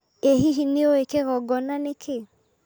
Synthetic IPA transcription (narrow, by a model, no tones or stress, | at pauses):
eɦiɦineoekeɣɔɡɔnanekʰe